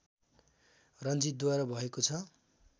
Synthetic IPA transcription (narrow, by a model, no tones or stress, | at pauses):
rʌnd͡zit̪d̪waɾʌbʱʌekot͡sʰʌ